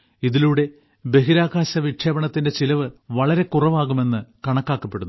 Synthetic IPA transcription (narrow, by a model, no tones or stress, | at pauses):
iðiluɽe̞ | be̞ɦiɾaːɣaːɕɐʋiʈʰjɐbɐɳɐt̪ːinde̞t͡ɕilɐʋɨʋɐɭɐɾe̞kurɐʋaːɣume̞nːɨkɐɳɐkːaːkːɐpːe̞ɽunː